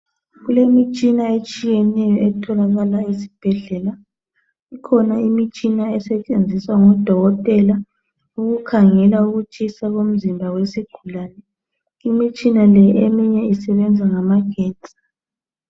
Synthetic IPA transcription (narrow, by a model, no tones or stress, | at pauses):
ɣulemit͡ʃʼinaet͡ʃʼijɛnɛjɔʔɛtʰɔlaɣalaisi̥b̥ʱɛɮɛla | ikʰɔnaimit͡ʃʼinaɛsɛt͡ʃʼend͡zʱiswaŋɔd̥ʱɔɣɔtʼɛla | uɣukʰaŋɛlauɣut͡ʃʼisaɣom̩zimbʱawesiɡ̥ʱulaːnɛ | imit͡ʃʼinalɛemiɲɛisɛβɛnd͡zʱaŋamaɡ̥ʱeːtʼi̥